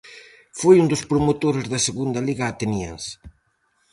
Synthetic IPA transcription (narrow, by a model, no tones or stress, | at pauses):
fojund̪ʊspɾomot̪oɾezðɐseɣund̪ɐliɣɐːt̪enjḛns